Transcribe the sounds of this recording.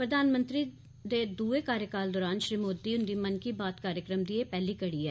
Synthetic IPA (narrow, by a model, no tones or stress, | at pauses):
pɾəd̪aːnmə̃nt̪ɾi | d̪eːd̪uːekaːɾjəkaːld̪ɔːɾaːnʃɾiːmoːd̪iːʊnd̪iːmənkiːbaːt̪kaːɾjəkɾəmd̪ieːpɛːliːkəɽiːɛː